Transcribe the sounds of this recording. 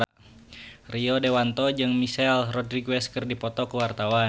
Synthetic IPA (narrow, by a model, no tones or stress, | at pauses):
riɔdewant̪ɔd͡ʒɨŋmisɛlrɔdɾiɡwɛskərdipɔt̪ɔkəwart̪awa